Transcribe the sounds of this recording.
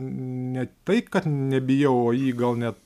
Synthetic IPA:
nʲɛt̪ɐɪkɐt̪nʲɛbʲɪjɛʊoːjiːɡɐlˠnʲɛt̪

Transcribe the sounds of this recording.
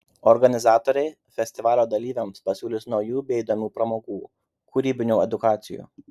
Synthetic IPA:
ɔɾɡɐnʲɪzɑːt̪oːɾʲɛɪ | fʲɛsʲt̪ʲɪʋɑːlʲoːd̪ɐlʲiːʋʲɛmspɐsʲuːlʲɪsnɔʊjuːbʲeːid̪oːmʲuːpɾɐmoːɡuː | kʊɾʲiːbʲɪnʲuːɛd̪ʊkɑːt̪sʲɪjṵː

